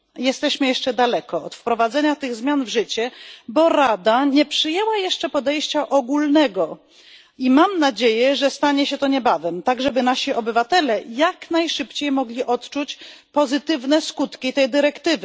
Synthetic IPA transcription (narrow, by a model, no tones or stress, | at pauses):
jɛst̪ɛɕmɘjɛʂt͡ʂɛd̪alɛkɔɔ̰t̪fpɾɔvad̪zɛɲat̪ɘɣzmʲjanvʐɘt͡ɕɛbɔɾad̪aɲɛpʂɘjɛwajɛʂt͡ʂɛpɔd̪ɛjɕt͡ɕaʔɔɡulnɛɡɔ | imamnad͡ʑejɛʐɛst̪aɲɛɕɛt̪ɔɲɛbavɛmt̪aɡʐɛbɘnaɕiʔɔbɘvat̪ɛlɛjaknajʂɘpt͡ɕejmɔɡlʲiʔɔt̪t͡ʂut͡ɕpɔzɘt̪ɘvnɛskut̪kʲit̪ɛjd̪ɘɾɛkt̪ɘvɘ